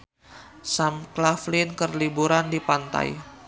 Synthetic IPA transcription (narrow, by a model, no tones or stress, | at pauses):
samklaflɪnkərlibuɾandipant̪a̰j